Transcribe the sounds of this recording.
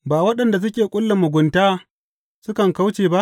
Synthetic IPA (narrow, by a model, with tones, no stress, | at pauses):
baː˨wɐ˦ɗɐ˨nda˨s̬ʊ˦kʲeː˨kʷʼʊ˦lːa˨mːʊ˨ɡʷʊ˨ntaː˦ | sʊ˦kɐ˨ŋka˦wt͡ʃeː˨ba˦ʔ